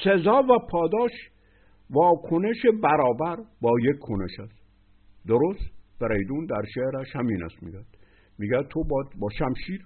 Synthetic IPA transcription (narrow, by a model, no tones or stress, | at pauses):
sezɒːvæpʰɒːd̪ɒːʃ | vɒːkʰoneʃebæɾɒːbæɾbɒːjekʰkʰːoneʃæst̪ | d̪oɾost̪beɾejd̪und̪æɾʃeɾæʃhæmiːnæ̰st̪mḭɡæd̪̥ | miːɡæd̪̚t̪ʰobɒːd̪bɒːʃæmʃiːɾ